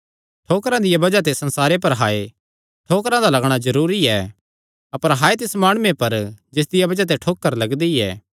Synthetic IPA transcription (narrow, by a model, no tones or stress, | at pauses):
ʈʰoːkɾãd̪ɪjabɐd͡ʒat̪̬esɐ̃nsaːɾep̬ɐɾɦaːe | ʈʰoːkɾãd̪alɐɡɽ̃azɐɾuːɾiɛː | ɐpəɾɦaːet̪̬ɪsmaːɽ̃ʊːẽpɐɾd͡ʒɪs̬d̪ɪjabɐd͡ʒat̪̬eʈʰoːkːəɾlɐɡd̪iɛ̰ː